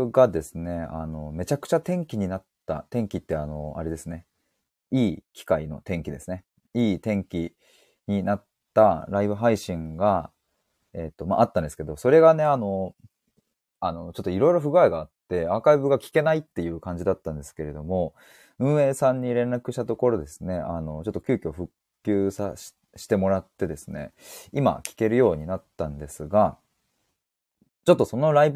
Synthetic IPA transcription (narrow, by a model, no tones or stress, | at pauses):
ɡad̪e̞sɨne̞a̰no̞me̞t͡ɕakɯ̥t͡ɕat̪ẽ̞ŋkʲiɲ̟inat̪ːa̰t̪ẽ̞ŋkʲit̪ːe̞ano̞a̰ɾe̞d̪e̞sɨne̞ | iːkʲi̥kaino̞̰t̪ẽ̞ŋkʲid̪e̞sɨne̞ | iːt̪ẽ̞ŋkʲi | ɲ̟inat̪ːaɾaibɯ̟ɦaiɕĩŋɡa | e̞t̪ːo̞ma̰ːʔat̪ːand̪e̞sɨ̥ke̞d̪o̞so̞ɾe̞ɡane̞ano̞ | ano̞t͡ɕot̪ːoiɾo̞iɾo̞ɸɯ̟ɡɯaeɡaːt̪ːe̞aːkaibɯ̟ɡakʲi̥ke̞nait̪ːe̞jɯ̟ːkãɲ̟d͡ʑid̪at̪ːãnd̪e̞sɨ̥ke̞ɾe̞d̪o̞mo̞ | ɯ̟̃ɰ̃e̞ːsãɲ̟ːiɾẽ̞nɾakɯ̟ɕi̥t̪at̪o̞ko̞ɾo̞d̪e̞sɨne̞ano̞t͡ɕot̪ːokʲɨːkʲio̞ɸɯ̟kkʲːɨːsḁ | ɕi̥t̪e̞mo̞ɾat̪ːe̞d̪e̞sɨne̞̰ima̰kʲi̥ke̞ɾɯ̟jo̞ːɲ̟inat̪ːãnd̪e̞sɨɡa | t͡ɕo̞t̪ːo̞so̞no̞ɾaib